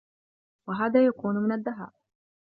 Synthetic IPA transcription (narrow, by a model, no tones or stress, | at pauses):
waɦaːðaːjakuːnmɪnad̪ːaɦa̰ːʔ